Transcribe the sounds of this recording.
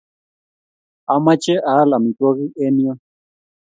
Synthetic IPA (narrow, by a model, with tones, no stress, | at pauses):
a˨ma˦t͡ʃɛ˦ʔa˨˦la˨mi˨kɔ˦ɣi˦ʔɛ˦ni˦ɔ˦